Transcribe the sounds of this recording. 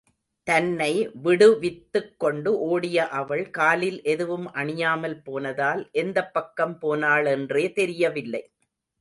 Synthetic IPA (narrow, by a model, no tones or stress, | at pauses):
t̪ɐnːɐɪʋɪɽɯʋɪt̪ːɯkːɔɳɖɯʔoːɽɪjɐʔɐʋɐɭkaːlɪlʔɛðɯʋɯmʔɐɳɪjaːmɐlpoːnɐðaːlʔɛnd̪ɐpːɐkːɐmpoːnaːɭɛndreːt̪ɛɾɪjɐʋɪlːɐɪ